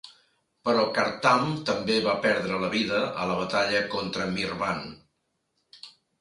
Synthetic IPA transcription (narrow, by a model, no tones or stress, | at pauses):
pəɾɔkəɾt̪amt̪əmbeβapɛɾðɾələβiðəʔə̰ləβ̞ət̪aʎəkont̪ɾəmirβan